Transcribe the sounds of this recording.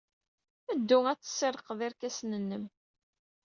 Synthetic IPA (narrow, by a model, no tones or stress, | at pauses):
æd̪ːuæt͡sːə̥sːeɾˤəqðɪɾkæsnənːəm